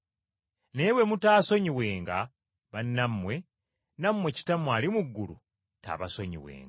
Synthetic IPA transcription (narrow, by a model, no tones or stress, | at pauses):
ne̞we̞mutaːso̞ɲiwe̞ːŋɡa | βanːamːwe̞ | namwe̞ci̥tamwaːlimuɡːulṵ | ta̰ːβasoɲḭwḛːŋɡa